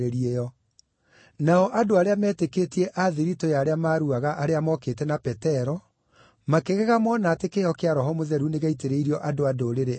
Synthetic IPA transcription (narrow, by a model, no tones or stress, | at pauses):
ɾeɾiejɔ | naɔʔadoaɾeamɛːteketiɛʔaðiɾitɔjaɾeamaːɾuaɣaʔaɾeamɔkeːtɛnapɛtɛɾɔ | makeɣɛɣamɔnaːtekeɔkeaɾɔɦɔmoðɛɾuneɣaiteɾeiɾiɔʔadoadoɾeɾe